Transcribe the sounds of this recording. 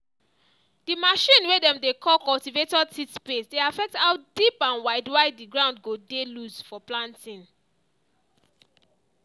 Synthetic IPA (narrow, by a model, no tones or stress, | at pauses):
d̥imaʃĩnwedɛ̃mdekʰɔlkɔltivetɔtʰitspesdeafɛk̚thaʊdipãnwaɪdwaɪddiɡɹãʊ̃nd̚ɡodeluzfɔplãntĩn